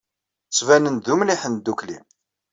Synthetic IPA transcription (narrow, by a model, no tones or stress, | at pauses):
t͡sːvænənðumliħənd̪ːuklḭm